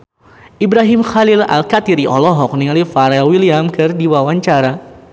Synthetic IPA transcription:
ʔibɾaɦɪmxalila̰lkat̪iɾiʔɔlɔɦɔk̚niŋalifaɾɛlwiliamkɨrdiwawaɲt͡ʃaɾa

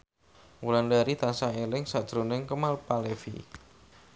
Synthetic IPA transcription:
wulandaɾit̪ansaelɪŋsad̥ʒ̥ɾonɪŋkəmalpalefḭ

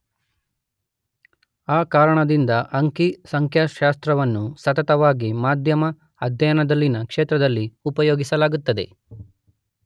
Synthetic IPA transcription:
aːkaːɾɐɳɐd̪ind̪ɐʔɐŋkisɐŋkʰjaʃaːst̪ɾɐʋɐnːusɐt̪ɐt̪ɐʋaːɡimaːd̪ʱjɐmɐ | ɐd̪ʱjɐjɐnɐd̪ɐlːinɐkʂeːt̪ɾɐd̪ɐlːiupɐjoːɡisɐlaːɡut̪ːɐd̪e̞̰

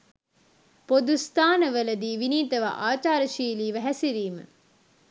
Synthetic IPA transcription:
pod̪ust̪aːnəʋəlɐd̪iːʋiniːt̪ɐʋa̰ʔaːt͡ʃaːɾəʃiːliːʋæɦæsiɾiːmə̰

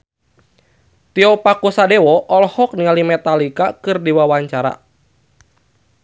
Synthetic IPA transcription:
t̪iɔpakusadewɔʔɔlhɔk̚nialimɛt̪alikakɨrdiwawaɲt͡ʃaɾa̰

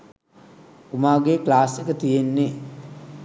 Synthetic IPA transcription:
umaːɡeːklaːsekət̪ijenːe

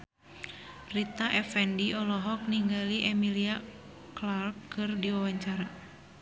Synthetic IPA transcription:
rit̪aʔɛfɛndiɔlɔɦɔk̚niŋɡaliʔɛmilia | klarkːɨrdiwawaɲt͡ʃaɾa

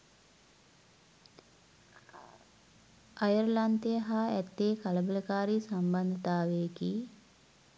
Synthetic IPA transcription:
ʔajəɾlant̪ejəɦaːæt̪ːeːkaləbələkaːɾiːsamband̪ət̪aːʋeki

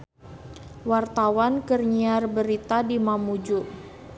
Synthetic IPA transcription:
wart̪awankərɲiarbəɾit̪adimamud͡ʒuʔ

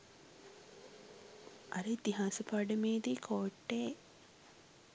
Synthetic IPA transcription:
ʔɐɾəit̪iɦaːsəpaɖəmeːd̪iːkʰoːʈːeː

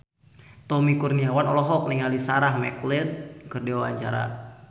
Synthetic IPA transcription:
t̪ɔmikurniawanɔlɔɦɔk̚niŋalisaɾahmɛ̰klɪt̪̚kərdiwawa̰ɲt͡ʃa̰ɾa̰

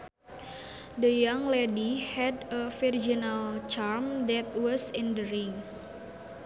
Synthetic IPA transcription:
dəjaŋlɛdihɛdəfird͡ʒinalt͡ʃarmd̪ɛt̪̚wɔsɛndəɾiŋ

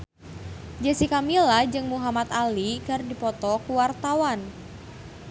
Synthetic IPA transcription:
d͡ʒasikamilad͡ʒɨŋmuɦamat̪alikɨrdipɔt̪ɔkuwart̪awan

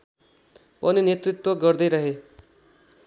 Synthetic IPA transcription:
pʌninjet̪ɾit̪wʌɡʌɾd̪ʌjɾʌɦe

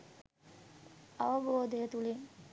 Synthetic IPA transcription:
ɐʋəboːd̪əjət̪uliŋ

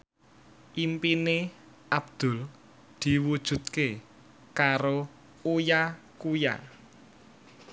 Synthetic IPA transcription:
ʔimpine | ʔabd̪̥ʊ̤l | d̪̥i̤wud̥ʒ̥ṳt̪̚ke | kaɾo | uja | kuja̰

